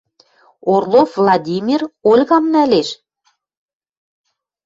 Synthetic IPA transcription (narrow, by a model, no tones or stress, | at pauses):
orlˠovlˠɑd̪ʲimʲirolʲɣɑmnæleʃ